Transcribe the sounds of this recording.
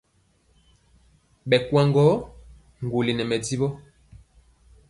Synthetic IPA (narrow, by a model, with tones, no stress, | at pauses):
ɓɛ˨kwa˨ŋɡɔ˨˦ | ŋ̩˨ɡu˨li˨nɛ˨mɛ˨d͡zi˦bɔ˦